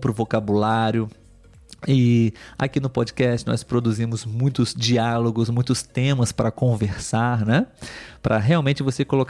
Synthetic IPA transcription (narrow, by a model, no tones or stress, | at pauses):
pɾʊvokabulaɾjʊ | ɪa̰kinʊpɔd͡ʒikɛst͡ʃɪnɔ̰spɾod̪uzĩmʊzmũj̃t̪ʊz̥d͡ʒialoɡʊzmũj̃t̪ʊst̪ẽmɐspɾɐkõveɾsaɾnɛpɾʔɐɦeawmẽnt͡ʃɪvosekolok